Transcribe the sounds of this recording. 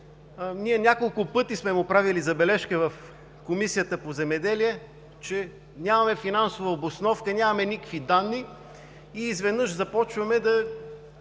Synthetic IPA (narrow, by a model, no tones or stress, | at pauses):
niɛnʲakolˠkʊpɤt̪ismɛmʊpɾavilizɐbɛlɛʃkəvɐf | komisijət̪əpozɛmɛd̪ɛliɛ | t͡ʃɛ | nʲamɐmɛfinansʊvəobosnɔfkənʲamɐmɛnʲikəkvid̪anːi | iːzvɛd̪nɤʃzɐpɔt͡ʃvɐmɛd̪ɐ